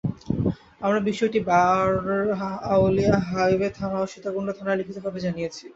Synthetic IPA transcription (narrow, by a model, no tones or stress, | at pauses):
amɾabiʃːoeʈiba | awliaɦajbet̪ʰanaoʃit̪aɡuɳot̪ʰanalikʰit̪obʱabed͡ʑanijet͡ɕʰi